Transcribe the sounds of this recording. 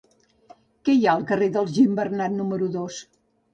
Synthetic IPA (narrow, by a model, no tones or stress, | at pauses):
kɛjaəlˠkəreðəlˠʒimbərnat̪numəɾuðos